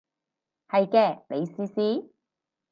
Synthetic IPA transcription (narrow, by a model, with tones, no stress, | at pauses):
hɐ˨jkɛː˧ne˨˧jsiː˧˥siː˥